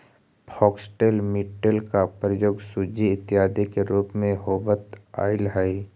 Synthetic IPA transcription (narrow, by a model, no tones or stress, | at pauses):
pʰɔːksʈeːlmɪʈːəlkapɾəjoːɡsud͡ʒiɪt̪jaːd̪ikeɾuːpmẽɦoːbət̪a̰ːɪlɦaːi